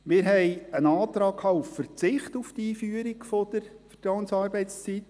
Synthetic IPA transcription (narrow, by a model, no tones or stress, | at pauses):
mɪːɾɦɛɪjənɑːt̪ɾɑːkʰɑːuffəɾt͡sɪχt̪uft̪iːfyəɾiɡfɔd̥̪əɾfətɾɑʊŋsɑːɾbɛɪtst͡sit̪